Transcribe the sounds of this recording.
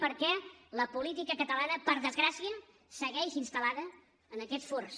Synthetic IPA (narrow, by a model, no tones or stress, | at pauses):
pəɾkɛləpulit̪ikəkət̪əlanəpəɾðəzɣɾasiə | səɣɛʃinst̪əlaðəː | nəkɛt̪foɾs